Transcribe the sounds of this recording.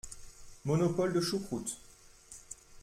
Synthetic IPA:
mɔnɔpɔld̪əʃukχut̪

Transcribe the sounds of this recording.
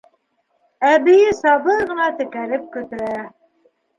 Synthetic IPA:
æbɘ̆jɘsɑbɤɾʁɤ̆nɑt̪ɘ̆kæɾɘp̚kɵ̆t̪ɘ̆ɾæ

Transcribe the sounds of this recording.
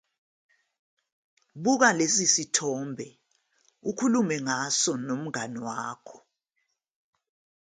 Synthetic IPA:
ɓuk̬alesisitʰɔːmbʱɛ | ukʰulumɛŋasɔnom̩ŋanɔwaːkʰɔ̥

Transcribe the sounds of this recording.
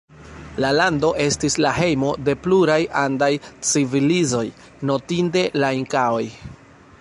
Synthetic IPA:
lalando̞ʔe̞stislaɦe̞jmo̞de̞pluɾajʔandajt͡sivilizo̞j | no̞tinte̞laiŋkaoj

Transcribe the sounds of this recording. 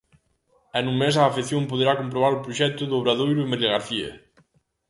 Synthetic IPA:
ɛnuŋmesaːfeθjompoð̞eɾakomp̬ɾoβaɾupɾuʃɛt̪ʊðoβɾaðojɾʊemeɾiɣaɾθiɐ̰

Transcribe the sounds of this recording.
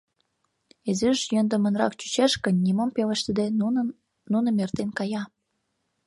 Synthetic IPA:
ezyʃjønd̪əmə̆nrɑ̰kt͡ɕy̥t͡ɕeʃkənʲːimompeləʃt̪ə̆d̪e | nːunə̆mert̪enkɑjɑ

